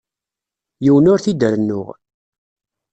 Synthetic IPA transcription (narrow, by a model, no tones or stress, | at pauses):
jiwənʊɾθid̪əɾənːʊ̰ʁ